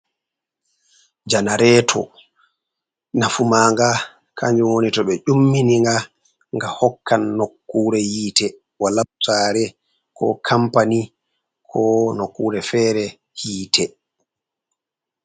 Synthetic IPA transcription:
d͡ʒanaɾɛtʰɔ̰ | nafumaːŋɡa | kʰaɲd͡ʒumwonitɔɓɛʔumːiniŋɡa | ŋɡahɔkːanːokːuːɾɛhiːtɛ | walataːɾɛ | kʰɔ̰kʰampani | kʰɔnokːuːɾɛfɛːɾɛ | hiːtʰɛ

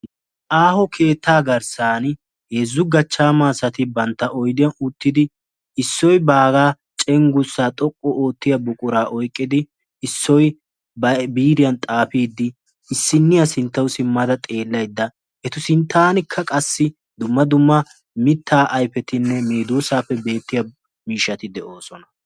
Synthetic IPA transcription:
ʔaːhɔkʰe̞ːt̪ʰːaːɡɐɾsaːn | hezːʊɡɐt͡ʃːaːmaːsɐt̪ɪbɐnt̪ːɐʔɔjd̪ɪjɐnʊt̪ːɪd̪ɪ | ɪsːɔjbaːɡaː | t͡ʃʼɛŋɡʊsːaːt̪ʼɔkʼːɔo̞ːt̪ːɪjɐbʊkʼʊɾaːʔɔjkʼːɪd̪ɪ | ɪsːɔj | bɐbiːɾɪjɐnt̪ʼaːpiːd̪ːɪ | ɪsːɪnːɪjɐsɪnt̪ːɐwsɪmːɐd̪ɐt̪ʼe̞ːlːɐjd̪ːɐ | ɛt̪ʊsɪnt̪ːaːnɪkʰːɐkʼɐsːɪ | d̪ʊmːɐd̪ʊmːɐ | mɪt̪ʰːaːʔɐjfɛt̪ɪnːɛmeːd̪usaːfːɛbe̞ːt̪ːɪjɐ | miːʃːɐt̪ɪd̪ɛʔo̞ːsɔnɐ

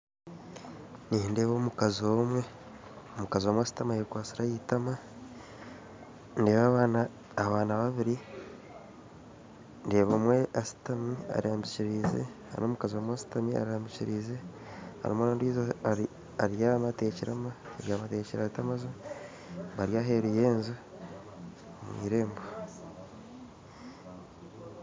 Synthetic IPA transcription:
ninde̞ːβoːmukaziomwe̞ | omukazomwasi̥tamajekwaːsiɾajitama | ndeːβaβaːnaː | βaːnaβaβiɾi | nde̞ːβomwe̞ʔasi̥tamia̰ɾiamiciɾiːzḛ | a̰no̞ːmukaziwamwasi̥tamia̰ɾihaːmɟiciɾiːze̞ | a̰ɾḭmwonoːndiːzo | aɾjamate̞ːciɾamaeɾjaːβateːciɾaitamazo | βaɾjaːɦe̞ɾujeːnzu | mwḭːɾe̞ːmbo

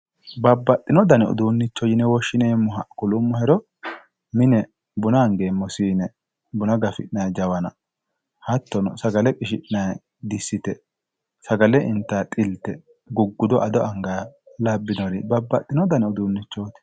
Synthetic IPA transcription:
bɐbːɐt̪ʼːɪnɔd̪ɐnɛʊ̰d̪uːnːɪt͡ʃːɔjɪnɛwɔʃːɪneːmːɔɦɐkʊlʊmːɔhɛɾɔ | mɪnɛ | bʊnɐːŋɡeːmːɔsiːnɛ | bʊnɐɡɐfɪʔɪnɐjd͡ʒɐwɐnɐ | hɐt̪ːɔnɔsɐɡɐlɛpʼɪʃ̬ɪʔnɐj | d̪ɪsːɪt̪ɛ | sɐɡɐlɛɪnt̪ːaːt̪ʼɪlt̪ɛ | ɡʊɡːʊd̪ɔʔɐd̪ɔɐŋɡaː | lɐbːɪnɔɾɪbɐbːɐt̪ʼːɪnɔd̪ɐnɛʊd̪uːnːɪt͡ʃːoːt̪ɪ̥

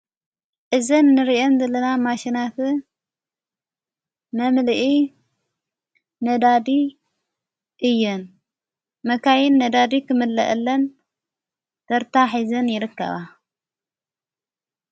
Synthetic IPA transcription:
ʔɨzɐnːɨɾiʔondɐlɐnamaʃinat̪ | mɐmlʔi | nɐd̪ad̪i | ʔɨjːɨn | mɐkʰajɪnːɐd̪ad̪ikʰɨmɨlːɐ̰ʔɨlːɐn | t̪ʰɐɾt̪ʰaħizɐnjɪɾɨkːɐ̰βa

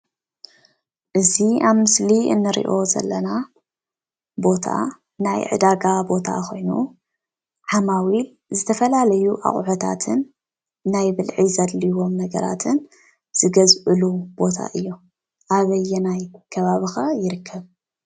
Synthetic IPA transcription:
ʔɨziaβmɨsliɨ̰nːɨɾḭʔo̞zɐ̰lːɐna | bo̞t̪ʰa̰ | najʕɨ̰d̪aɡabo̞t̪ʰa̰xo̞jnṵ | ʕamawil | zɨt̪ʰɐfɐlalɐjuʔa̰χʼʕut̪ʰa̰t̪ʰɨnː | ajbɨlʕizɐd̪liwo̞mnɐɡɐ̰ɾa̰t̪ʰɨn | z̥ɨɡɐzʔɨlub̥o̞t̪ʰa̰ʔɨjːo̞ | ʔaβɐjːɛnajkʰɐβaβixajɪɾɨkʰːɐβ

